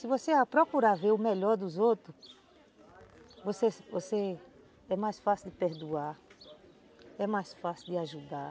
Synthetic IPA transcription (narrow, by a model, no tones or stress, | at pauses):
sɪvoseapɾokuɾaveɾʊmɛʎɔɾd̪ʊzot̪ɾʊ | vosevose | ɛmajsfasɪd̪ɪpeɾd̪ua | ɛmajsfasɪd̪ɪaʒud̪a